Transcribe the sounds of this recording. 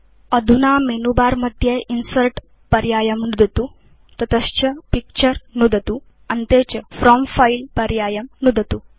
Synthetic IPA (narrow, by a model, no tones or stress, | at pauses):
ɐd̪ʱunaːmenubaːɾmɐt̪jeinsɐɾʈ | pɐɾjaːjɐmnud̪ʱɐt̪u | t̪ɐt̪ɐst͡ʃʰɐpik̚t͡ʃɐɾnud̪ʱɐt̪u | ɐnt̪eːt͡ʃɐfɾɔːmfailpɐɾjaːjɐmnud̪ʱɐt̪u